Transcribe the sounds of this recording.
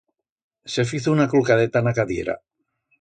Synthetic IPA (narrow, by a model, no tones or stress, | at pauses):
sefiθounaklukaðet̪anakaðjḛɾa̰